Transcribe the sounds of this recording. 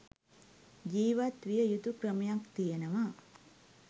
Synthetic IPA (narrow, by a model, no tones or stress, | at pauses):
d͡ʒiːʋat̪ʋijɐjut̪ukɾɐmɐjakt̪ijɐnɐʋa